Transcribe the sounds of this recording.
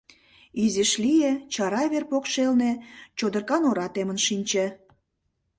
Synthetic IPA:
izeʃlijet͡ɕɑɾɑβerpokʃelnet͡ɕod̪ərkɑnoɾɑt̪emənʃinʲt͡ɕĕ

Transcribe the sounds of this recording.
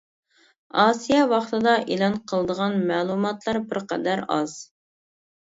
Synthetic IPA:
ɑːsijɛwɑχt̪ɨd̪ɑʔelˠɑnqʰəlˠəd̪əʁɑnmæːlˠumɑt̪lˠɑɾbɪɾqɛd̪æɾɑ̰z̥

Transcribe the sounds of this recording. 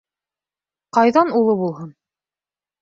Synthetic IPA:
qɑjðɑnulˠɤβulˠɦɤn

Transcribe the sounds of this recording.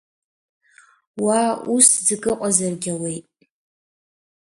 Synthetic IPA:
wauszɡʼɨqʷʼazarɡʲawejtʼ

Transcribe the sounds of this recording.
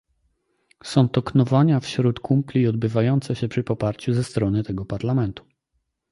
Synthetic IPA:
sɔ̃w̃t̪ɔknɔvaɲafɕɾut̪kʰumplʲiɔd̪̚bɘvajɔnt̪sɛɕɛpʂɘpɔpaɾt͡ɕuzɛst̪ɾɔnɘt̪ɛɡɔpaɾlamɛnt̪u̥

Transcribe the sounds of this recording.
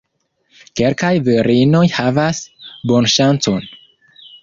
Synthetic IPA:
ke̞lkajviɾino̞jhavasbo̞nʃant͡so̞n

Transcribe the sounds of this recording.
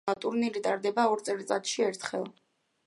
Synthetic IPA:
at̪ʼuɾnilit̪ʼaɾd̪ɛbaɔɾt̪sʼɛɾt̪sʼat̪ʃiɛɾt̪ʰχɛlˠ

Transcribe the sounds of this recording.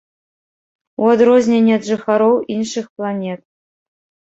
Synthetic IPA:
wod̪rozʲnʲenʲet̪ʐɨxɑɾowinʂɨxplˠɑnʲet̪̚

